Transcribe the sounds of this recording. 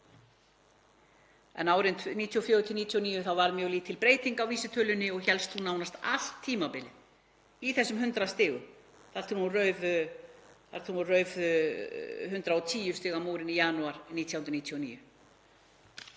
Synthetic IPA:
ɛ̰naːwɾɪnt̪niːt̪ʰiɔfjɔːɾʏt̪ʰɪniːt̪ʰjuɔniːjʏθawvaɾmjœːɣliːt̪ʰːɪlpɾeːjt̪iŋkawviːsɪt̪ʰœlʏnːɪɔɣçɛlst̪θunawnast̪al̥t̪ʰːiːmapɪlɪ̰ð | iθɛsːʏmhʏnt̪ɾast̪ɪːɣʏ | θaɾt̪ʰɪɾhunrœːɥv | θaɾ̥t̪ʰɪɾhurœːɥv | hʏnt̪ɾaɔt̪ʰiːjʏst̪ɪːɣamuːɾɪnijanuaɾniːt̪ʰjawnɾniːt̪ʰjɔnḭːjʏ

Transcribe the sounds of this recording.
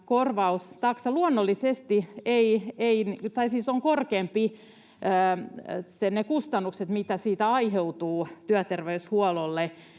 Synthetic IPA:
korʋɑust̪ɑksɑluonːolːisest̪ieieint̪ɑisiːsoŋkorkeːmpi | ʔːsenekust̪ɑnːukset̪mit̪æsiːt̪æɑiɦeut̪uːt̪yæt̪erʋeyshuololːe

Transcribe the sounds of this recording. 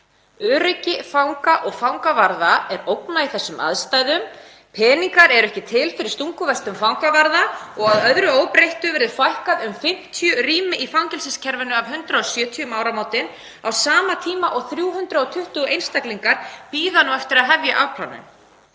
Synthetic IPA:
œːɾɪcɪfawŋkaʔɔɣfawŋkavaɾðaɛɾowknaiθɛsːʏmʔa̰ðst̪ajðʏm | pʰɛːniŋkaɾɛɾɛhcɪt̪ʰɪlfɪɾɪ̥ɾ̥st̪uŋkʏvɛst̪ʏmfawŋkavaɾðaɔɣaðœðɾʏoːwpɾejht̪ʏvɛɾðʏfajl̥kaðʏmfɪm̥t̪ʰijʏriːmɪʔifawɲcɛlsɪscʰɛɾvɪnʏavɦʏnt̪ɾaɔsjœːt̪ʰiʏmaːwɾamaːwt̪ɪn | awsaːmat̪ʰiːmaʔɔɣθɾjuːɦʏnt̪ɾaɔt̪ʰʏht̪ʏejnst̪akliŋkaɾ̥piːðanuɛft̪ɪɾaðɦɛvjaʔawpʰla̰wnːʏ̰n

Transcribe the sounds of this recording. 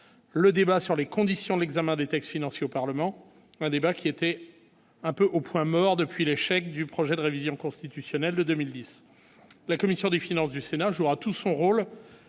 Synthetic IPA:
ləd̪ebasyʁlekɔ̃d̪isjɔ̃d̪lɛɡzamɛ̃d̪et̪ɛkst̪finɑ̃sjeopaʁləmɑ̃ | ɛ̃d̪ebakʲiet̪ɛ | ɛ̃pøʔopwɛ̃mɔʁd̪əpɥileʃɛk̚d̪ypχɔʒɛd̪əʁevizjɔ̃kɔ̃st̪it̪ysjɔnɛld̪əd̪ømild̪is | lakɔmisjɔ̃d̪efinɑ̃s̬d̪ysenaʒuʁat̪usɔ̃ʁol

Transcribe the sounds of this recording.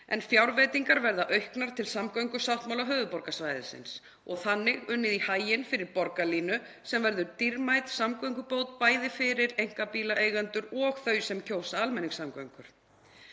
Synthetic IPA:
ɛ̰nfjawɾvɛːt̪iŋkaɾvɛɾðaʔœɥhknaɾ̥t̪ʰɪlsamkœɥŋkʏ̥sawht̪mawlaɦœːvʏpɔɾkasvajðɪ̰sɪ̰ns | ɔɣθanːɪɣʏnːɪðihaːjɪnfɪɾɪɾpɔɾkaliːnʏ | sɛmvɛɾðʏɾt̪iɾmajt̪samkœɥŋkʏpoːwt̪̚paːjðɪfɪɾɪɾejŋ̥kapiːlaʔeːjɣant̪ʏɾɔɣθœɥsɛmcʰoːwsaalmɛnːiŋsamkœɥjŋkʏɾ̥

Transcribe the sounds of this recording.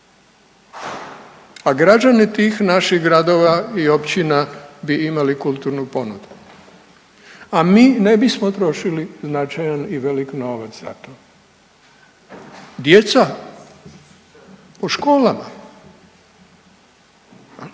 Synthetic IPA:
aɡɾad͡ʒanit̪iːxnaʃixɡɾad̪o̞ːʋaio̞pt͡ɕinabiimalikulˠt̪uːɾnupo̞nud̪u̥ | amiːne̞bismot̪ɾo̞ʃiliznat͡ʃajaniʋe̞likno̞ːʋat̪sz̥a̰t̪o | d̪je̞t̪sa | poʃko̞ːlama

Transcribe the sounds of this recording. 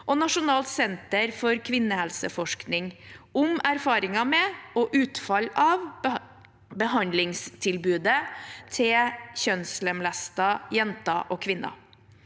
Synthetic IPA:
ʔɔnɑʂʊnɑːlt̪sɛnt̪əɾfɔɾkʰʋɪnːəhɛlsə̰fɔʂknɪŋʊmæɾfɑːɾɪŋɑmɛɔʔʉːt̪fɑlɑʋ | bəɦɑnd̪lɪŋst̪ʰɪlbʉːd̪ət̪ʰɪçœnslɛmlæst̪ɑjɛnt̪ɑʔɔːkʰʋɪnːʔɑ̰

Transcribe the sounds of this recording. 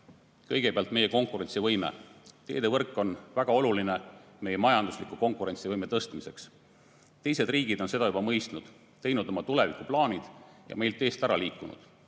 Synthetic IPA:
kɤjɡ̥epeɑlt̪ˑme̞jeko̞ŋkˑuɾe̞nʲtsivɤjmḛt̪e̞̰ːd̪evɤrkːˑo̞nvæɡ̥ɑo̞luline | me̞jemɑjɑnd̪̥uslikːˑuko̞ŋkˑuɾe̞nʲsivɤjme̞t̪ɤst̪mise̞ks | t̪ejse̞d̪̥riːɡ̥id̪̥onse̞d̪ɑjubɑmɤjst̪nud̪̥ | t̪ːe̞jnud̪̥o̞mɑt̪ule̞vikːˑuplɑːnid̪̥jɑ̰me̞jlt̪ːˑe̞ːst̪æɾɑliːkːˑunṵd̪̥

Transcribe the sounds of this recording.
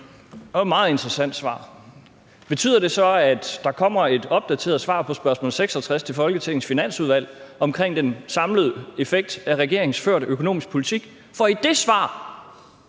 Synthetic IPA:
ɒ̽mɑ̈ːð̩ˠe̝nd̥ʁəsæn̰d̥sʋɑ̰̈ː | b̥e̝t͡sʰy̰ːð̰ˠɐd̥e̝sɒ̽æd̥ːɑ̈kʰɒ̽m̰ɐe̝d̥ɒ̽b̥̚d̥æt͡sʰe̝̰ɐð̩ˠsʋɑ̰̈ːpʰɒ̽sb̥ɶɐsmɔ̰lseɡ̥sɒt͡sʰʁast͡sʰe̝fɒ̽lɡ̥ət͡sʰe̝ŋn̩sfinæn̰suðˠʋæl̰ɒ̽mkʰʁeŋ̰d̥ensɑ̈mləð̞̩ˠe̝feɡ̥̚d̥æʁɛɡ̥e̝ɐ̰eŋ̩sføɐ̰ɾøkʰo̝no̝̰ːmisɡ̥̚pʰo̝lit͡sʰiɡ̥ | fɒ̽id̥e̝sʋɑ̰̈ː

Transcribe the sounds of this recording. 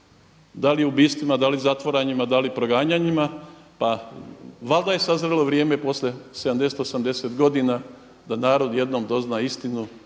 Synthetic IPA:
d̪aliubiːst̪ʋimad̪alizat̪ʋoɾaɲimad̪alipɾo̞ɡaːɲaɲimapa | ʋalˠd̪aje̞sazɾelo̞ʋɾje̞ːme̞po̞slʲesed̪amd̪eset̪osamd̪e̞set̪ɡo̞d̪ina | d̪anaːɾo̞d̪je̞d̪nomd̪o̞znaist̪inu

